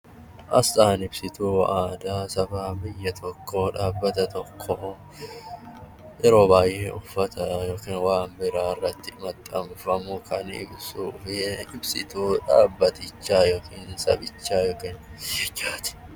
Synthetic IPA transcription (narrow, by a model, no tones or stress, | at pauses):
ʔɐsaːnɪbsɪt̪uːaːd̪aːsɐfaːbɪjːɐt̪ʰɔkʰːo̞ːᶑaːbːɐt̪ɐt̪ɔkʰːoː | ʔɪɾo̞ːbaːjeːʊfːɐt̪ʰɐjoːkiːnwaːmbɪɾaːrːɐt̪ːɪmɐt̪ʼːɐmfɐmʊkʰɐnɪ̰bsuːfɪɪbsɪt̪uːᶑa̰ːbːɐt̪ɪt͡ʃːaːjo̞ːkiːnsɐ̰bɪt͡ʃːaːjoːkɪːnd͡ʒaːt̪ɪ̥